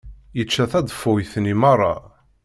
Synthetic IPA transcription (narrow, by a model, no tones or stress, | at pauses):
jət͡ʃːæθæd̪ˤfʊjθnimɑrˤːɑ̰